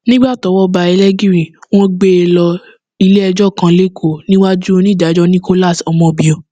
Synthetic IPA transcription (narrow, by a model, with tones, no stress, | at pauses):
nĩ˦ɡ͡ba˦˨tɔ˨˦wɔ˦ba˧ɛ˧lɛ˦ɡĩ˦ɾĩ˦˨w̃ɔ̃˦ɡ͡be˦e˧˨lɔ˧ | i˧le˦ɛ˧d͡ʒɔ˦˨kã˨˧le˦kʰo˦˨nĩ˦wa˦d͡ʒu˦˧nĩ˦˨da˨˦d͡ʒɔ˦nĩ˦ko˦la˦˨sɔ˨˧mɔ̃˧bĩ˨o˨